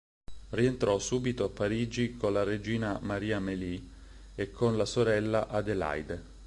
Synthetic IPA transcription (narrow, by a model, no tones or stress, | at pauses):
rient̪ɾɔsuːbit̪oapːaɾiːd͡ʒikonlared͡ʒiːnamaɾiːameli | ekʰːonlasoɾɛlːaʔad̪ela̰jd̪e